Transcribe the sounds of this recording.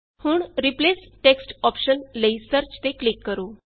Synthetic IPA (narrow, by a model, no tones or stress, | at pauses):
huːɳɾiplesʈeksʈɔpɕənləisəɾt͡ɕt̪eklikːəɾuː